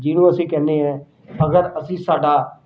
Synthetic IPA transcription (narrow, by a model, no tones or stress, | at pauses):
d͡ʒiːnũːəsĩːkɛ̃ːnd̪eːɦɛ̃ː | əɡəɾəsĩːsaːɖaː